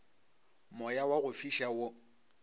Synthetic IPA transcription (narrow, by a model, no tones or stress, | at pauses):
mɔjawaɣʊfiʃawʊ